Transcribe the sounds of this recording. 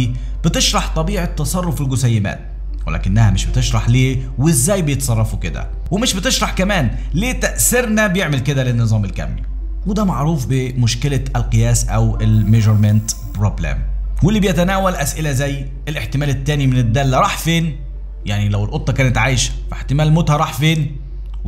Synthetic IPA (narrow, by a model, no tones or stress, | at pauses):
b̥ɪt̪ɪʃɾˤɑħt̪ˤɑbiːʕɪt̪ːɑsˤɑrˤːʊfɪlɡʊsajːɪma̰ːt̪̚ | walæ̰kɪnːahamɪʃbɪt̪ɪʃɾˤɑħleː | wɪzːæːjbɪjɪt̪sˤɑrˤːɑfukɪd̪a̰ | wmɪʃbɪt̪ɪʃɾˤɑħkamaːn | leːt̪aʔsɪɾnabjɪʕmɪlkɪd̪alɪnːɨzˤɑːmɪlka̰mːḭ | wd̪amaʕɾuːfbɪmʊʃkɪlaalqɨjæːsʔawɪlmeʒoɾmɪnt̪pɾobla̰mwɪlːibɪjɪt̪anaːwalʔasʔɪlazæj | ʔɪlʔɪħt̪ɪmæːlɪt̪ːæːnimɪnɪd̪ːælːaɾˤɑːħfeːn | jaʕnilawɪlʔʊt̪ˤːɑkæːnɪt̪ʕaːʃ | faħt̪ɪmæːlmʊt̪hɑɾˤɑːħfeːn